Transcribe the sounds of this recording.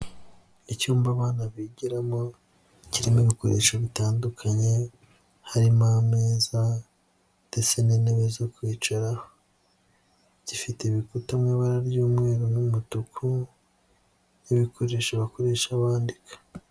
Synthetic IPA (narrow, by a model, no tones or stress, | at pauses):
icuːmbaβaːnaβiɟiɾamo̞ | ciɾimiβikoɾe̞̰ːʃaβitaːndukʰaɲe̞ | haɾimameːza | nd̥e̞t͡se̞niːneβezokwiːt͡ʃaɾaho | ɟ̥ifiteβikutamŋiːβaɾaɾɟuːmŋe̞ːɾonumutukʰu | niβikʰo̞ɾe̞ːʃaβako̞ɾe̞ʃaβaːndikḁ